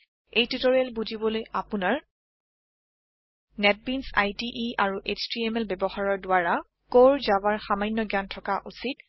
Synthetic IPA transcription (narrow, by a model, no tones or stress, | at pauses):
ejtutoɹialbuzibɔlojapunaɹ | nɛt̚binsa̰jtiʔiaɹuʔet͡ʃʰtiɛmɛlbɛbɔxaɹɔɹdʊaɹa | koɹzabaɹxamajnːɔɡjantʰɔkaʔusit̚